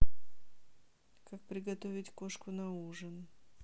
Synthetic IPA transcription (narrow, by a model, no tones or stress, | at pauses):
kak̚pɾʲɪɡɐt̪ovʲɪtʲko̞ʂkʊnɐuʐɨn